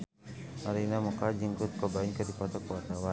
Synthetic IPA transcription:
aɾinamɔkad͡ʒiŋkʊt̪̚kɔbaiŋkədipɔt̪ɔkəwat̪awa

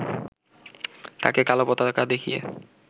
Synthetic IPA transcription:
t̪a̰kekalopɔt̪akad̪ekʰijḛ

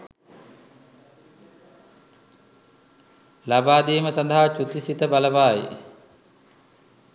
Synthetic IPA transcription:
labaːd̪iːməsand̪aɦat͡ʃut̪isit̪əbaləʋaːjḭ

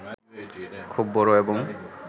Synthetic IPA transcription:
kʰubːɔɹoebɔŋ

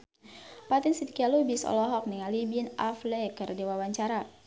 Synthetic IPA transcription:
pat̪insidikialubisɔ̰lɔɦɔk̚niŋalibinaflɛkərdiwawaɲt͡ʃaɾa

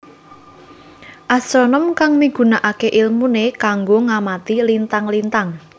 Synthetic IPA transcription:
ʔasɾɔnəmkaŋmiɡ̥ṳnaʔakeʔilmunekaŋɡoŋamat̪ilint̪aŋlint̪aŋ

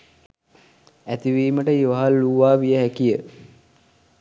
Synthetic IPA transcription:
æt̪iʋiːməʈəiʋaɦalːuʋaːʋijəɦækijə

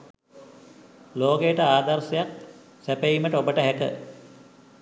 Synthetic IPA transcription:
loːɡejəʈəaːd̪arsɐjak̚ | sæpejiməʈəobəʈəɦækə̰

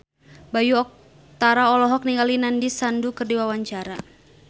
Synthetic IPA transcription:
bajuɔk̚ | t̪aɾaɔlɔɦɔk̚niŋɡalinandisandukɨrdiwawaɲt͡ʃaɾa

